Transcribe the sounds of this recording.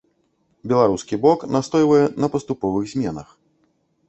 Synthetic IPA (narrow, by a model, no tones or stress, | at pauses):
bʲɛlˠaɾuskʲibɔknast̪ɔjvɐjɛnɐpɐst̪upɔvɨɣzʲmʲɛnɐx